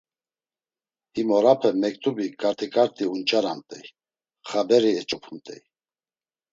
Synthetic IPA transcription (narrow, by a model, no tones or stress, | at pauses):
himɔɾapʰɛmɛkʼt̪ʰʼubikʼaɾt̪ʰɛkʼaɾt̪ʼiunt͡ʃʼaɾamt̪ʼɛj | χabɛɾiɛt͡ʃʼɔpʰumt̪ʼɛ̰j